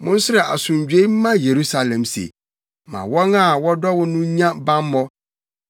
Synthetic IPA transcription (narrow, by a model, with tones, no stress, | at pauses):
mʊ̃˦n˦sʊ˦ɾɛ˨ʔa̰˨sʊ̃˨ɲd͡ʑᶣe˦m̩˦mã˦je˨ɾu˦sa˨lɛ̃˨msḛ˨ | mã̰˨wɔ̃˦na˦˨wɔ˦dɔ˦wʊ˦nʊ̃˦ɲã˦bã˦mː˦ɔ̃˦